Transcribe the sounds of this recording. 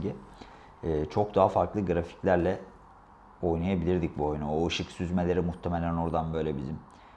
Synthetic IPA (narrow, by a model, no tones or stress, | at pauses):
ɟiː | t͡ʃʰo̞k̚d̪aɦafaɾklˠɯɡɾafi̥clʲæɾlʲɛ | o̞jnajabilʲiɾd̪ic̚buo̞jnuoɯʃɯksyzmelʲe̞ɾimuht̪ʰemelʲæno̞ɾd̪anbø̞jlʲebḭzim